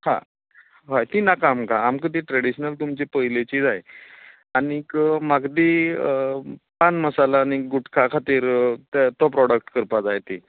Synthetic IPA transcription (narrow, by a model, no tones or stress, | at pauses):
hã̰ | ɦajt̪inakamkaamkət̪iʈɾeɽiɕnəlt̪umt͡ɕepəjlet͡ɕid͡zaj | añikəmaɡd̪iəpanməsalaːñiɡuʈʰkʰakʰat̪iːɾt̪t̪ɔpɾɔɽəkʈkəɾpad͡zajt̪i